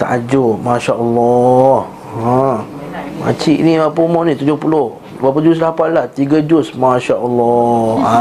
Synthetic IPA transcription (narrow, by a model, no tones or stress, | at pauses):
t̪a̰ʔad͡ʒʊmaʃaʔəlːɔh | a | ma̰t͡ʃiʔniwapumɔʔnĩt̪ud͡ʒʊhpulʊh | wap̬ad͡ʒus̬lapanlaht̪iɡad͡ʒʊsmaʃaʔəlːɔa